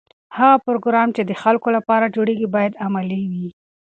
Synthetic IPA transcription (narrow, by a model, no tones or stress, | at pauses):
haɣapʊɾoɡɾɑmt͡ʃed̪əxalkolapɑɾad͡ʒoɽeɡibɑjad̪amaliwi